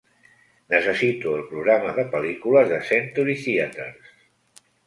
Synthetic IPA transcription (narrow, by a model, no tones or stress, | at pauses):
nəsəsit̪uəlˠpɾuɣɾaməðəpəlikuləzðəsent̪uɾiθiət̪əɾs